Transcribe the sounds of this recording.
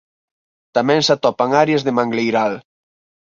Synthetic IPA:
t̪amɛ̃ŋsat̪ɔpaŋaɾjazðemaŋɡlejɾal

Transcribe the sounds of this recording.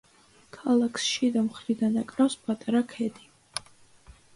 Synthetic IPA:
kʰalˠakʰsʃid̪amχɾid̪anakʼɾafspʼat̪ʼaɾakʰɛd̪i

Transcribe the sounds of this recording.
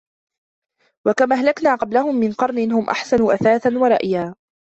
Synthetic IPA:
wakamaːɦalaknaːqɑblahʊmːɪnqɑɾˤnɪnhʊmʔa̰ħsanuːʔaθaːθanwɑɾˤɑ̰ʔjaː

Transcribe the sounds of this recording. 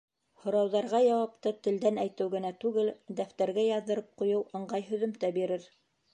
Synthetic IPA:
hŏɾɑwðɑɾʁɑjɑwɑpt̪ɤt̪ɘ̆ld̪ænæjt̪ɘwɡɘ̆næt̪ʉɡɘld̪æft̪æɾɡæjɑðːɤ̆ɾɤp̚qŭjɤwɤ̆ɴɢɑjɦɵ̆ðɵ̆mt̪æbiɾɘɾ

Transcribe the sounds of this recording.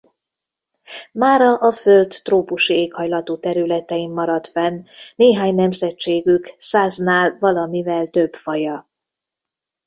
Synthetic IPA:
maːɾɒʔɒfø̞lt̪ːroːpuʃieːkhɒjlɒt̪oːt̪ɛɾylɛt̪ɛimːɒɾɒt̪fɛnːeːɦaːɲnɛmzɛt͡ʃeːɡyksaːznaːlvɒlɒmivɛlt̪ø̞bfɒjɒ

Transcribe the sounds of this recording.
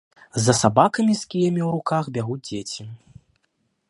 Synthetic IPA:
zɐsabakɐmʲiskʲijɐmʲiwɾukaxbʲaɣud͡zʲd͡zʲet͡sʲi

